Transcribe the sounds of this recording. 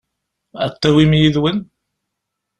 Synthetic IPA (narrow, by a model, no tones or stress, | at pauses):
æ̰t̪ːæwimjiðwən